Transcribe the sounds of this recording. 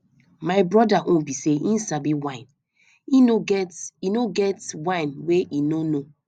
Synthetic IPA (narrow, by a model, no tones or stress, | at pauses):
maɪbɹɔdaʔõnbiseʔĩn̩sabiwãɪ̃n | inoɡɛtinoɡɛtwãɪ̃nweʔinono